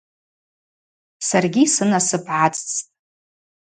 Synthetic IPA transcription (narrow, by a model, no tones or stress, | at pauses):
sarɡʲisɨnasɨpʰʕat͡sʼt͡sʰʼtʼ